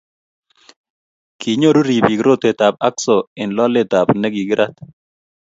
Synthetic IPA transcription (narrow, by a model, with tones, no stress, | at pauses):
ki˨ɲo˦ɾu˦ɾi˨bi˨ɡɾo˦t̪e˨t̪a˨p̚a˦ksɔ˨ɪ˨nlɔ˦le˦t̪a˨pnɛ˦ɡi˨ɡɪ˦ɾʔa˦t̪